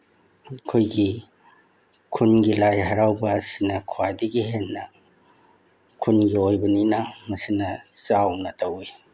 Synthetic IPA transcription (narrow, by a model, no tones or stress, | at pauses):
kʰojɡi | kʰunɡilajɦɐɾawbɐsinɐkʰuwajdiɡiɦenːɐ | kʰunɡiojbɐninamɐsinɐt͡ʃawnɐtʰawi